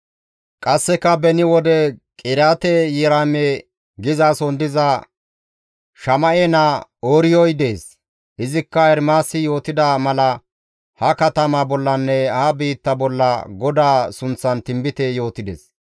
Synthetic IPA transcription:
kʼɐsːɛkːɐbɛnɪwɔd̪ɛkʼɪɾaːt̪ɛjɛɾaːmɛ | ɡɪzaːsɔnd̪ɪzɐ | ʃɐmɐʔenaoːɾɪjɔjd̪eːs | ʔɪzɪkːɐɛɾmaːsɪjo̞ːt̪ɪd̪amɐlɐ | hɐkɐt̪ɐmabɔlːɐnːɛɐhɐbiːt̪ːɐbɔlːɐɡɔd̪aːsʊnt͡sːɐnt̪ɪmbɪt̪ɛjo̞ːt̪ɪd̪ḛs

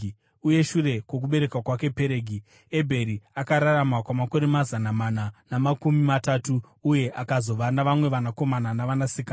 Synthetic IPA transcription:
uje̞ʃure̞kwo̞k̬uɓe̞ɾe̞kwakwake̞peɾeːɡʱi | e̞bʱe̞ɾiakaɾaɾamakwamako̞ɾemazanamananamakumimataːtu | uje̞ʔakazo̞ʋanaʋamwe̞ʋanako̞mananaʋanasikaː

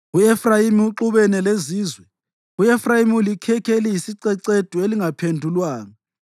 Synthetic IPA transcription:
uɛfrajimiuǁuβɛnɛleziːzwɛ | uɛfrajimulikʰɛkʰelijisiǀɛǀed̥ʱueliŋapʰendʱulwaːnɔ

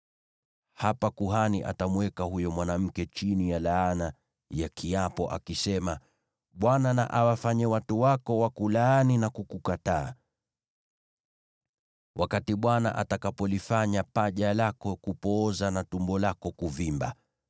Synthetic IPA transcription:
hapakuɦaniʔa̰tamuwɛkahujɔmwanam̩kɛt͡ʃinijalaːna | jakʰiapɔʔa̰kisɛma | ɓwanana̰ʔawafaɲɛwatuwakɔwakulaaninakukukataː | wʔakatiɓwana̰ʔa̰takapɔlifaɲapaʄalakɔkupɔːzanatumbɔlakɔkuvimba̰

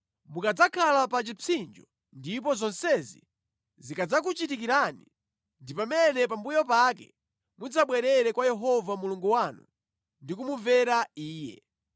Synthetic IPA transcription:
mukad͡zakʰalapat͡ʃit͡sʰind͡ʒɔ | ndip̬ɔzɔnsɛzḭ | zikad͡zak̬ut͡ʃitik̬iɾani | ndipamɛnɛp̬ambujɔpakɛ̰ | mud͡zaɓwɛɾɛɾɛkwajɛɦɔvamuluŋɡuwanṵ | ndikumuɱvɛɾaiːjɛ̰

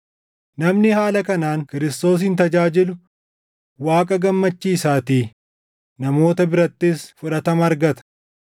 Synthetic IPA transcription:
nɐmnɪhaːlɐkɐnaːŋkɪɾɪst̪o̞ːs̬ɪnt̪ɐd͡ʒaːd͡ʒɪlʊ | waːkʼɐɡɐmːɐt͡ʃːiːsaːt̪iː | nɐmo̞ːt̪ɐbɪɾɐt̪ːɪsfʊᶑɐt̪ɐmɐːɾɡɐt̪ɐ̥

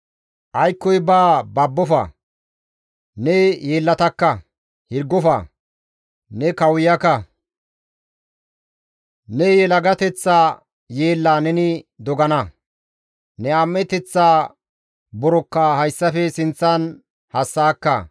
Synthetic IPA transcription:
ʔɐjkːɔjbaːbɐbːɔfɐ̰ | nɛje̞ːlːɐt̪ɐkːɐ | hɪɾɡːɔfɐ̰ | nɛkɐwjɐkːɐ | nɛjɛlɐɡɐt̪ɛt͡sːaː | jeːlːaːnɛnɪd̪ɔɡɐnɐ | nɛamːɛt̪ɛt͡sːaː | bɔɾɔkːaːhɐjsːɐfɛsɪnt͡sːɐn | hɐsːaːkːɐ̰

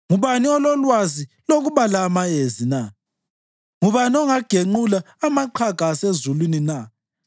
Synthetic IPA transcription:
ŋuβaniɔlɔlwaziloɣuβalaːmajezina | ŋuβanɔŋaɡ̥ʱeŋ͡ǃulaːmaǃʰakaːsezulwinina

